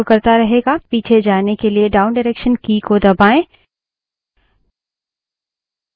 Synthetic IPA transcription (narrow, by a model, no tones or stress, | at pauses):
kɐɾt̪aɾɐɦeːɡapiːt͡ʃʰed͡ʒaːnekelieɖaːʊnɖɪɾeːkʃənkiːkod̪ɐbaːẽː